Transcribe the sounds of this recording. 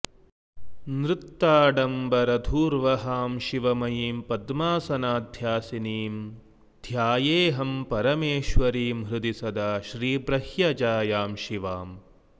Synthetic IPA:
nɾɪt̪ːaːɖɐmbɐɾɐd̪ʱuːɾʋɐɦaːmʃiʋɐmɐjiːmpɐd̪maːsɐnaːd̪ʱjaːsiniːm | d̪ʱjaːjeːɦɐmpɐɾɐmeːʃʋɐɾiːmɦɾɨd̪isɐd̪aːʃɾiːbɾɐhjɐd͡ʒaːjaːmʃiʋaːm

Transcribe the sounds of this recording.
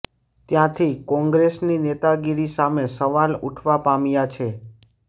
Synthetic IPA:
t̪jãt̪ʰikɔ̃ŋɡɾesninet̪aɡiɾisamesəʋaluʈʰʋapamjat͡ʃʰe

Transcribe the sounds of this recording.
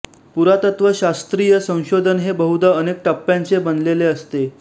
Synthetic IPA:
puɾat̪ət̪ʋəɕast̪ɾijəsə̃w̃ɕod̪ʱənɦebəɦud̪əənek̚ʈəpːjãnt͡sebənd̪leleəst̪e

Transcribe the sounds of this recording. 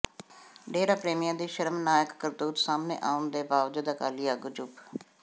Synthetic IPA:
ɖeːɾaːpɾeːmijãːd̪iːʃəɾəmnaːjəkːəɾd̪uːt̪saːmnḛːʔaːʊnd̪eːbaːʋd͡ʒəd̪aːkaːliːaːɡʊd͡ʒʊp

